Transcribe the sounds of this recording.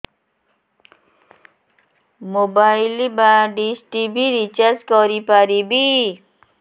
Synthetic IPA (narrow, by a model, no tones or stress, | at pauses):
mobajlibaɖisʈibʱiɾit͡ɕaɾskɔɾipaɾibi